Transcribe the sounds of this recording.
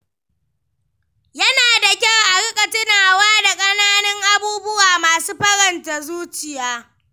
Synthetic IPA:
jɐ˦naː˨da˨kʲa˦˨wʔa˨ɽɪ˦kʼɐ˨tɪ˦naː˨waː˦da˨kʼɐ˦naː˦nɪ˦ŋʔa˦buː˦bʊ˦waː˨maː˨suː˦ɸɐ˦ɽɐ˨nta˨zuː˦t͡ʃɪ˨jaː˦

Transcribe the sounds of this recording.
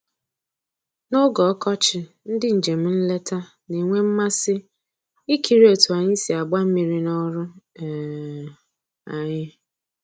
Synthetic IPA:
no˦ɡɔ˨ɔ˦kɔ˦t͡ʃɪ˨ | n̩˦dɪ˦n̩˨d͡ʒe˨m̩˦n̩˦le˦ta˦ | ni˨ŋʷe˦m̩˦ma˦sɪ˦ | i˦kʰi˨ɾi˦o˨tu˨a˨ɲɪ˦si˨a˨ɡ͡ba˦m̩˦mi˨ɾi˦nɔ˦ɾʊ˦˨ | a˨ɲɪ˦

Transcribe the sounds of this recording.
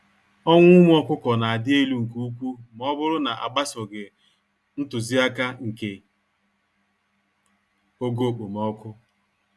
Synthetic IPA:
ɔ˦ŋʷʊ˦m˦ɔ˦kʷʊ˦kɔ˨na˨a˨dɪ˦e˦lu˦ŋ̩˨ku˦u˦kʷu˦m˨ɔ˦bʊ˦ɾʊ˦na˨ʔa̰˨ɡ͡ba˦sɔ˨ɡɪ˨ | n̩˦tʊ˨zi˦a˦ka˦ŋ̩˨ke˨ | o˦ɡo˦˨k͡po˨mɔ˦kʷʊ˦

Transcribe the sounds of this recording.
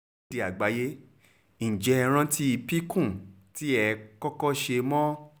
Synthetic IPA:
di˨a˨ɡ͡ba˨˦je˦ | ĩ˨d͡ʒɛ˧ɾ̃ã˧ti˦i˧pi˦kũ˦˨ | ti˦ɛ˧kɔ˦kɔ˦ʃe˧mɔ̃˦

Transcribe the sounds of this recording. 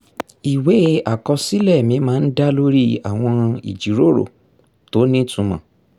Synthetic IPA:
i˨we˨˦a˦˨kɔ˧si˦lɛ˦˨mĩ˧˦mãː˦˧n̩˦da˦lo˦ɾi˦a˨w̃ɔ̃˧ḭ˨d͡ʒi˨˦ɾo˦˨ɾo̰˦˨ | to˨˦nĩ˦tũ˧mã̰˨

